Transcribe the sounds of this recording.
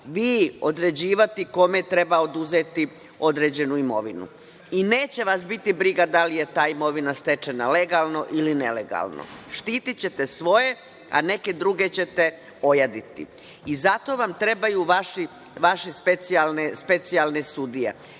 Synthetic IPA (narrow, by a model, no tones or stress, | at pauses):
ʋiːo̞d̪ɾe̞d͡ʑiːʋat̪iko̞me̞t̪ɾe̞baod̪uzeːt̪i | o̞d̪ɾe̞ːd͡ʑe̞nuimo̞̰ʋinṵ | ine̞ːt͡ɕe̞ʋas̬bit̪ibɾiɡad̪alije̞t̪aːimo̞ʋinast̪e̞t͡ʃe̞nale̞ɡalno̞ʔiline̞lḛɡa̰ːlˠno̰ʃt̪iːt̪it͡ɕe̞t̪esʋo̞je̞ | a̰ne̞ke̞d̪ɾuɡe̞t͡ɕe̞t̪e̞ | ojad̪it̪ḭ | izat̪o̞ʋamt̪ɾe̞bajuʋaʃi | ʋaʃespet̪sialnespe̞t̪sialˠne̞sud̪ije̞̰